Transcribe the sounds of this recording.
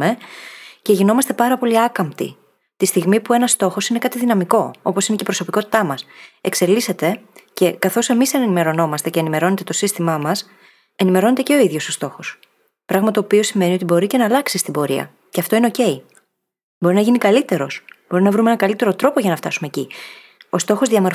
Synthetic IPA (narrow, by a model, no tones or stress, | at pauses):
e̞ce̞ʝino̞mɐst̪e̞pɐɾɐpo̞liɐkɐmpt̪ḭ | t̪ist̪iɣmipue̞nɐst̪o̞xo̞sine̞kɐt̪iðinɐmiko̞o̞po̞sinecepɾo̞so̞piko̞t̪i̥t̪ɐmɐse̞kse̞lise̞t̪ece̞kɐθo̞se̞misɐnenime̞ɾo̞no̞mɐst̪ece̞ːnime̞ɾo̞ne̞t̪e̞t̪osist̪imɐmɐs | e̞nime̞ɾo̞ne̞t̪eceo̞iðʝo̞sost̪o̞xo̞s | pɾɐɣmɐt̪o̞ːpio̞sime̞nio̞t̪ibo̞ɾice̞nɐːlɐksist̪ibo̞ɾiɐ̰ | ceɐft̪o̞ine̞o̞ce̞j | bo̞ɾinɐʝinikɐlit̪e̞ɾo̞sb̥o̞ɾinɐvɾumeenɐkɐlit̪e̞ɾo̞t̪ɾo̞po̞ʝɐnɐft̪ɐsume̞ːci | o̞st̪o̞xozðiɐmo̞ɾ